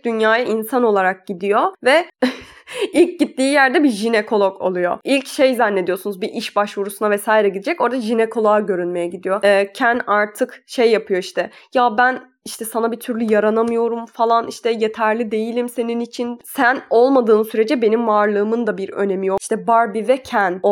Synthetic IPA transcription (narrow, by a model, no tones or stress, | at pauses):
d̪ynjaːjaʔinsano̞lˠaɾak̚ɟid̪ijo̞vɛ | ilʲc̚ɟit̪ːiːjæɾd̪ɛbiʒinekʰo̞lˠoko̰lˠujo̞̰ilʲcʃe̞jzanːe̞d̪ijo̞sunuzbiʔiʃbaʃvuɾusunavɛsaːjiɾɛɟid̪ed͡ʒɛco̞ɾd̪aʒinekʰo̞lˠaːɟø̞ɾynme̞jɛɟid̪ijo̞ɛːcʰænaɾt̪ʰɯkʃe̞jːapʰɯjo̞iʃt̪ʰɛjabæn | iʃt̪ʰɛsanabit̪ʰyɾlʲyjaɾanamɯjo̞ɾumfalˠaniʃt̪ʰɛje̞t̪ʰæɾlʲid̪e̞jilʲimse̞ninit͡ʃʰinsæno̞lˠmad̪ɯːnsyɾe̞d͡ʒɛbe̞nimvaɾlˠɯːmɯnd̪abiɾø̰ne̞mijoʃt̪ʰɛbaɾbivɛcʰæn